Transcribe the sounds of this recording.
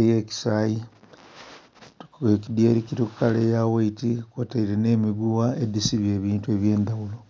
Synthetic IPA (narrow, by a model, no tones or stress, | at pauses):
ejeːki̥saji | ekidjeɾikiɾikukaleːjawaitikwataiɾene̞ːmiɡuwaedisiβje̞ːβiːntue̞ːβje̞ːndawulo